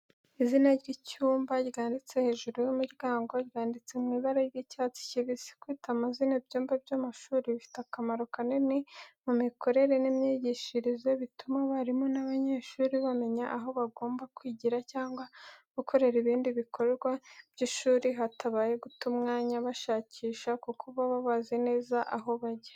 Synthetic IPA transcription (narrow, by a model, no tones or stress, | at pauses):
izinaɾɟicuːmbaɟɡaːndit͡se̞he̞ːʒuɾujomuɾɡaːŋɡo̞ɟɡaːndit͡semŋiːβaɾaɾɡicaːt͡si̥ciβisi̥kwiːtamazinabɟoːmbabɟamaʃuːɾiβifi̥takamaɾokaninimumiko̞ɾe̞ɾe̞nimɲiɟiʃiɾize̞βitumaβaɾimo̞naβaɲe̞ːʃuːɾiβame̞ɲaʔaɦo̞βaɡo̞ːmbakwiɟiɾacaːŋɡwaɡ̥ukʰo̞ɾe̞ɾiβiːndiβikʰo̞ɾeɾɡwabɟiʃuːɾiɦatʰaβaːje̞ɡutumŋaːɲaβaʃaːciːʃakukuβaβaβazene̞ːzaʔaɦo̞βaɟe̥